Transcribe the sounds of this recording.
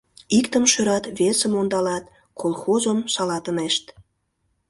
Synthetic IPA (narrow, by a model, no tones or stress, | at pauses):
ikt̪əmʃøɾɑt̪βesəmond̪ɑlɑt̪̚ | kʰolxozəmʃɑlɑt̪əneʃt̪